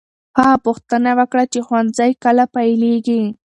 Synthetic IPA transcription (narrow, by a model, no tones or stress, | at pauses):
hɑːpʊxt̪anawəkɽat͡ʃexwanzajkalapajleɡi